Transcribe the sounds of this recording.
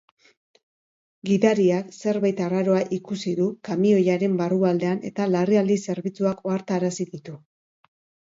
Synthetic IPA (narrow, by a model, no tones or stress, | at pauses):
ɡiðaɾiakse̞ɾβajt̪araɾo̞aʔikusiðukamio̞jaɾe̞mbaruald̪e̞ane̞̰t̪alariald̪ise̞ɾβit͡suako̞aɾt̪aːɾasiðit̪u